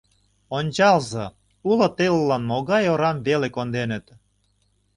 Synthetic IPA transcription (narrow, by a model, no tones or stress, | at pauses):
onʲt͡ɕɑlzɤ̆ | ulŏt̪ellːɑnmoɣɑjoɾɑmβelekond̪enə̆t̪